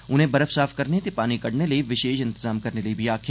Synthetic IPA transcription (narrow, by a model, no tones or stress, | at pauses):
ʊnɦẽbɐɾəfsaːfkɐɾnet̪epaːnikɐɽnelɐiʋɪʃeːʃɪ̃nt̪ɪzaːmkɐɾnelɐibʱiaːkʰja